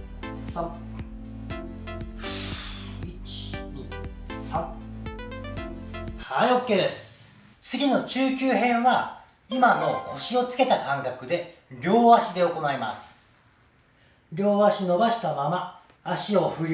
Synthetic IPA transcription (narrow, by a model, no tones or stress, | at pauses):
sã | it͡ɕi̥ɲisã | hajokʲːed̪e̞sɨ̥ | t͡sɨɡʲino̞t͡ɕɨːkʲɨːɦẽ̞ɰ̃βa | imano̞ko̞ɕio̞t͡sɨ̥ke̞t̪akãŋkakɯ̟d̪e̞ɾʲo̞ːβaɕid̪e̞o̞ko̞naima̰sɨ̥ | ɾʲo̞ːβaɕino̞baɕi̥t̪amamaː | ɕio̞ɸɯ̟ɾʲ